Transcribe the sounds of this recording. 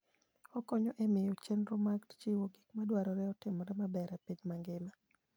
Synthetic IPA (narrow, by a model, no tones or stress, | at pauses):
ɔkɔɲɔʔemɪjot͡ʃenɾomaɡtt͡ʃiwoɡikmadwaɾɔɾɛɔtɪmɔɾɛmabɛɾɛpiɲmaŋɡɪma